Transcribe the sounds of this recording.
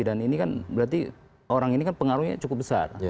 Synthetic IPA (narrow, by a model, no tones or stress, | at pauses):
idaninikanbəɾat̪i | oɾaŋinikanpəŋaɾuhɲa̰t͡ʃukʊp̚bəsa̰r